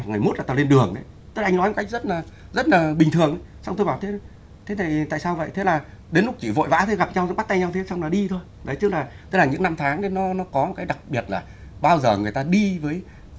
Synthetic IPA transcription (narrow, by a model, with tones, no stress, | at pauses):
ŋɨ˨˩jmo˦˥t̚laː˨˩t̪a˧˩le˧nɗɨ˨˩əŋɗə˨˦j | t̪o˧ʔa˧jŋnɔ˨˦jmo˨˩ka˦˥k̚zə˦˥t̚laː˨˩ | zə˦˥t̚laː˨˩ɓï˨˩ŋt̪ʰɨ˨˩əŋʔə˨˦sa˧wŋ͡mt̪o˧jɓaː˨˩wt̪ʰe˨˦˨ | t̪ʰe˨˦nʰa˨˩jt̪a̰ː˧˨saː˧wvə̰˧˨jt̪ʰe˨˦laː˨˩ | ɗe˨˦nlʊ˦˥k͡p̚t͡ɕi˧˩vo̰˧˨jva̰ː˧˥t̪ʰe˨˦ɣa˨˩p̚ɲa˧wzə̰˧˥ɓa˦˥t̪a˧jɲa˧wt̪ʰe˨˦sa˧wŋ͡mla˨˩ɗi˧t̪ʰo˧j | zə˨˦jt͡ɕɨ˦˥k̚laː˨˩t̪ʰe˨˦˥laː˨˩ɲɨ̰˧˥ŋna˧mt̪ʰaː˨˦ŋɗe˨˦nɔ˨˦nɔ˨˦kɔ˨˦mo˨˩kaː˨˦jɗa˨˩k̚ɓi˨˩ət̚laː˨˩ | ɓaː˧wzəː˨˩ŋɨ˨˩əjt̪aː˧ɗi˧vəː˨˦j